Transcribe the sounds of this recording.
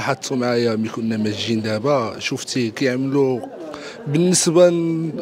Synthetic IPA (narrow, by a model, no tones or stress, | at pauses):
ħat̪ʰˤːumʕajæmikʊnːæmæʒind̪æbæʃuft̪ikæjəʕmlu | bənːəsba